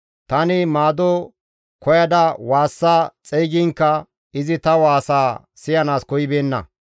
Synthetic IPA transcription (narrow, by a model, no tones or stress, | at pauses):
t̪ɐnɪmaːd̪ɔ | kɔjɐd̪ɐwaːsːaːt͡sʼɛjɡɪŋkːɐ | ɪzɪt̪ɐwaːsaː | sɪjɐnaːskɔjɪbeːnːɐ̰